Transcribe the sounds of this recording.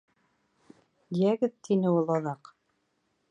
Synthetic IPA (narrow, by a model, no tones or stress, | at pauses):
d̪ijæɡɘðt̪ʰinɘulˠɑðɑq